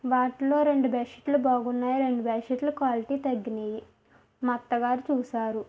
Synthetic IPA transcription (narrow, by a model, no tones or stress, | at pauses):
ʋaːʈilo̞ːɾe̞ɳɖubɛːʃeʈlubaːɡunːaːjiɾe̞ɳɖubɛːʂeʈlukʋaːliʈiːt̪ɐɡːiniji | mɐt̪ːɐɡaːɾit͡ʃuːsaːɾu